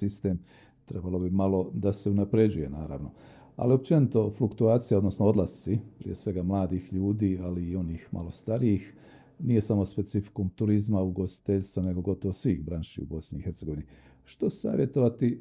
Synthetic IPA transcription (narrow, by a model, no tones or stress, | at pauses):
ist̪e̞ːm | t̪ɾe̞balo̞bimalo̞d̪aseunapɾe̞d͡ʑuje̞naːɾa̰ːʋno̞ | a̰lio̞p̚t͡ʃe̞nit̪o̞flukt̪uaːt̪sijaod̪no̞snoo̞d̪lˠast̪sipɾḭje̞sʋe̞ɡamlˠaːd̪ixʎuːd̪iːaliːo̞niːxmʔa̰lo̞st̪aɾijix | nije̞samo̞spe̞t̪sifi̥kumt̪uɾizmauɡo̞st̪i̥t̪eʎt̪sane̞ɡo̞ɡo̞t̪oʋosʋiːxbɾaːnʃḭṵbo̞sniixe̞ɾt̪se̞ɡoʋini | ʃt̪o̞sa̰ːʋje̞t̪o̞ʋat̪i